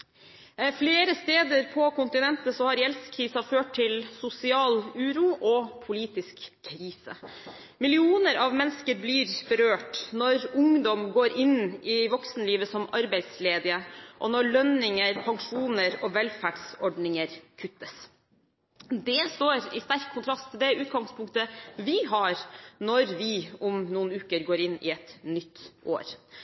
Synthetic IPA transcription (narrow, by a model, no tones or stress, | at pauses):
fleːɾəst̪eːd̪əɾpʰɔkʊnt̪ɪnɛnt̪əsɔhɑɾjɛlskʰɾiːsɑføːʈ̚t̪ʰɪlsʊsɪɑːlʉːɾuːʔɔpʰʊliːt̪ɪskʰːɾiːsə̰ | mɪlɪuːnəɾɑʋmɛnskəɾbliːɾbəɾøːʈnɔɾʊŋd̪ɔmɡoːɾʔɪnɪʋɔksnəliːʋəsɔmɑɾbæɪd̪sleːd̪ɪəʔɔnɔɭœnɪŋəɾpʰɑŋʂuːnəɾɔʋɛlfæɖsɔɖnɪŋəɾkʰʉt̪ːəs | d̪ɛst̪oːɾɪst̪æɾkʰːʊnt̪ʰɾɑst̪ʰːɪld̪ɛʉːt̪ɡɑŋspʰʊŋkt̪əʋɪɦɑɾnɔɾʋɪʊmnuːnʉːkəɾɡoːɾɪnːɪ̰ɛt̪nʏt̪ːʔo̰ːɾ